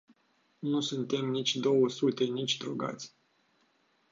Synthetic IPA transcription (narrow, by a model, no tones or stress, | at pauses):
nusunt̪e̞mnit͡ʃʲd̪o̞wəsut̪e̞nit͡ʃʲd̪ɾoɡa̰t̪sʲ